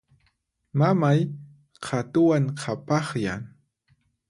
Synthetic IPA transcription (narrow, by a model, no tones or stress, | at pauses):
mamaj | qʰat̪ʊwaŋqʰapɑχja̰ŋ